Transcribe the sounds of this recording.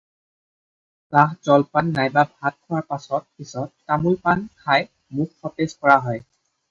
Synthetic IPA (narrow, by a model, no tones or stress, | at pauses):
pãɦzɔlpanːajbabʱat̚kʰɔwaɹpasɔt̚pisɔtːamulpankʰaj | mukːɔtezkɔɹaɦɔj